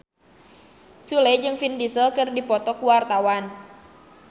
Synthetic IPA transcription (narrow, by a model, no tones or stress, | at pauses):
suled͡ʒɨŋfindisəkɨrdipɔt̪ɔkuwart̪awan